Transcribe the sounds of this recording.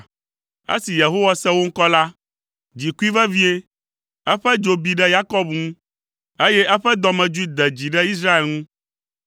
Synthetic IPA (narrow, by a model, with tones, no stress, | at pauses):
ḛ˦si˨je˨ɦo˦wa˦sɛ˦wo˦ŋ̩˦kɔ˦la˦ | d͡ʑi˨ku˦i˦vɛ˦vi˦e˦ | ɛ˦ɸɛ˦d͡ʒo˨bi˦ɖɛ˦ja˦kɔ˦bŋũ˦ | e˦jɛ˦ʔɛ˦ɸɛ˦d̪ɔ˨mɛ̃˨d͡ʒu˦i˦d̪ɛ˨d͡ʑi˨ɖɛ˦i˦s̬ɾa˦e˨lŋũ˦